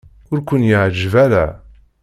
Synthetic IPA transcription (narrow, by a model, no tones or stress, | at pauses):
ʊɾkʷʊnjiʕd͡ʒvælæ̰